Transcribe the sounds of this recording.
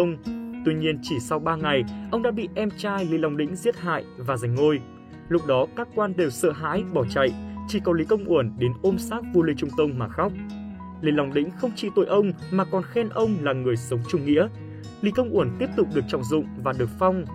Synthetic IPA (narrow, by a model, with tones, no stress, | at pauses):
ə˧wŋ͡mt̪wi˧ɲi˧ənt͡ɕi˧˩sa˧wɓaː˧ŋa˨˩jʔə˧wŋ͡mɗa̰ː˧˥ɓḭ˧˨ʔɛ˧mt͡ɕaː˧jlḭ˧˨la˨˩wŋ͡mɗḭ̈˧˥ŋ̟zi˦˥ət̚ha̰ː˧˨jvaː˨˩za˨˩ŋ̟ŋo˧j | lʊ˦˥k͡p̚ɗɔ˨˦kaː˦˥kːwaː˧nɗe˨˩wsə̰ː˧˨ɦa̰ː˧˥jɓɔ˧˩t͡ɕa̰˧˨jt͡ɕi˧˩kɔ˨˦li˨˦kə˧wŋ͡mʔu˧˩ənɗe˨˦nʔo˧msaː˦˥k̚vu˧li˧t͡ɕʊ˧ŋ͡mt̪ə˧wŋ͡mmaː˨˩xa˦˥k͡p̚ | lḭ˧˩la˨˩wŋ͡mɗḭ̈˧˥ŋ̟xə˧wŋ͡mt͡ɕḭ˧˨t̪o̰˧˨jʔə˧wŋ͡m | maː˨˩kɔ˨˩nxɛ˧nʔə˧wŋ͡mlaː˨˩ŋɨ˨˩əjsə˨˦wŋ͡mt͡ɕʊ˧ŋ͡mŋḭ˧˥ə | lḭ˧˦kə˧wŋ͡mʔu˧˩ənt̪i˦˥əp̚t̪ʊ˨˩k͡p̚ɗɨ˨˩ək̚t͡ɕɔ̰˧˨wŋ͡mzʊ̰˧˨ŋ͡mvaː˨˩ɗɨ˨˩ək̚fa˧wŋ͡m